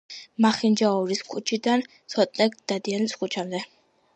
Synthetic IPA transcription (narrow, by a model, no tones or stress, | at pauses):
maχind͡ʒaɔɾiskʰut͡ʃʰid̪ansʰɔt̪ʼnɛɡd̪̥ad̪ianiskut͡ʃʰamd̪ɛ